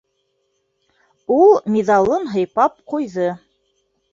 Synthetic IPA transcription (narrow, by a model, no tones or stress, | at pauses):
ulˠmʲiðɑlˠɤnɦɤ̆jpɑp̚qujðɤ